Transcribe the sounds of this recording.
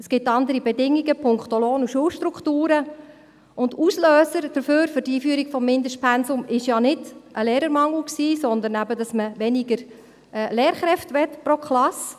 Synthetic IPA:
əsɡ̥ɪtːɑnd̪əɾibɛdɪŋːiɡəpʰʊŋkt̪oloːnuʃuəlʃtɾukχtuːɾə | ʊndusløːsəɾd̥əɾføːɾfʏɾdiːfyəɾiɡ̥fɔmːɪndəʃtpʰɛnsʊmɪʃjɑnɪdʔəleːɾəɾmɑŋl̩ksiːsɔnd̪əɾnæbədɑsməʋɛnɪɡəɾ | ɛleːɾχɾɛftʋɛtpɾokχlɑs

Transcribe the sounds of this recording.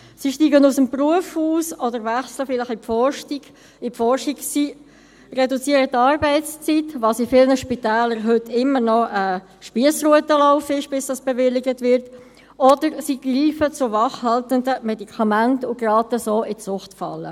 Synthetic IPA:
siʃtiːɡənusəmpruəfhuːsɔdəɾvæχsləfɪlɪχɪpfɔrʃtiɡ | ɪpfɔɾʃiɡsi | rɛdut͡siːəɾətɑːɾbɛɪtt͡st͡sitvɑsifɪlnəʃpitɛːləɾɦʏtːɪmːəɾnɔʔə | ʃpiəsruətəlaʊfɪʃb̥ɪsd̥ɑsb̥ɛvɪlːɪɡətvɪɾt | ʔɔd̥əɾsiɡ̥riːfət͡sʊvɑχhɑltəndəmɛdikʰɑmæntʊɡrɑːtəsoːʔɪt͡sʊχtfɑ̰lːə̰

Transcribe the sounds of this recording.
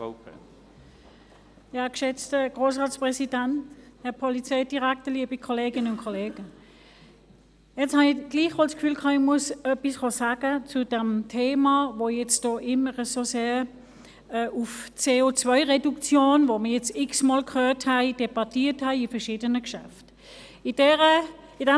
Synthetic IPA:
ɑkʃɛt͡stəɡ̥ʁoːs̬ʁɑːt͡spʁɛsid̥anthɛɐpʰɔlit͡seɪdiʁaktəliːəbikʰɔleːɡɪnəʊnkʰɔleːɡ̥ə | jɛt͡shɑniɡ̥liːχʋɔlskfyːlkʰɑːɪmuəsœpisχɔsaːɡ̥ət͡sud̥ɛmtʰeːmɑvojɛt͡sd̥ɔːʔɪməʁəsoseːɐ | ɛʔuft͡seːot͡svœɪʁedukt͡sjoːnvoməjɛt͡sɪksmɑlkhøːthæɪd̥eb̥ɑtiːɐthæɪifɛɐʃiːdənəkʃæ̰ft | idɛʁə | ɪdɛ

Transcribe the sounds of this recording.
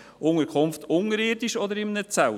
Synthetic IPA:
ʔʊŋəɾkʰχʊmftʊŋəɾɪːɾdiʃɔd̪əɾɪmnət͡sal

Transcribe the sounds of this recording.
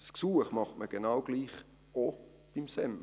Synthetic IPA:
sksuːəχmɑχtməɡ̥enɑwɡ̥liːχ | o | b̥imsɛm

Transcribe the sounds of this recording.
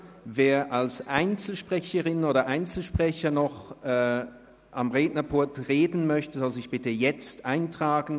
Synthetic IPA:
veːɐʔalsʔaɪnt͡sl̩ʃpʁ̥ɛçəʁɪnoːdɐʔaɪnt͡sl̩ʃpʁ̥ɛçɐnɔχʔɛ | ʔamʁeːdnɐpʰʊɐtʁeːdn̩mœçtəzɔlzɪçb̥ɪtəjɛt͡stʔaɪntʁ̥aːɡn̩

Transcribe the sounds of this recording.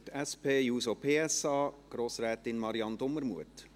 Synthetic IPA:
tɛspeːjuːsopʰeːɛsɑːɡ̥ɾoːsɾɛːt̪ɪnmɑɾiɑnd̪oməɾmuət

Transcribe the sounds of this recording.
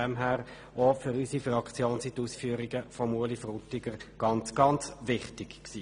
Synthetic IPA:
ɛmɦæːʁ | ofʏɾysifʁɑkt͡sjoːnsituːsfyːɾiɡəfɔmuəlifrutɪɡəɾɡ̥ɑnt͡sɡ̥ɑnt͡sʋɪχtɪkksiː

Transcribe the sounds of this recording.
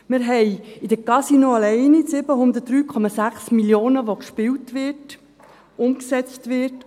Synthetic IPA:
mɪɾɦɛɪɪd̥̪əkɑsinoɑlɛɪnisɪbəɦʊnd̪ət̚d̥̪ɾyːkʰɔmɑsæχsmiljoːnəʋokʃpɪwtʋɪt | ʊmksɛt͡stʋɪɾt

